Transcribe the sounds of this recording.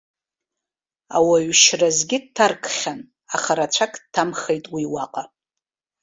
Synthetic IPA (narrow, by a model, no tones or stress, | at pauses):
awaɥʃrazɡʲɪd̚tʰarkʰʼχʲan | aχaɾat͡ʃʷʰakʼdtʰːamχejtʼwiwaqʼa